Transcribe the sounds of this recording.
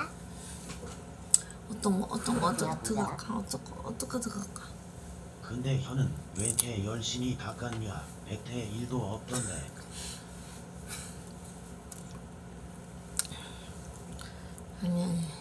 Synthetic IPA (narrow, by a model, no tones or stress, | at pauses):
ʌt͈ʌŋʔʌ̰t͈ʌŋʌt͈ʌetɯɡak͈aʌt͈ʌkʰʌ̰t͈ʌk͈ʰetɯɡʌk͈a | kɯnde̞çjʌnɯnwentʰe̞jʌɭɕ͈imitak͈anmia | petʰe̞iɭdoʌp̚t͈ʌndḛ | aɲe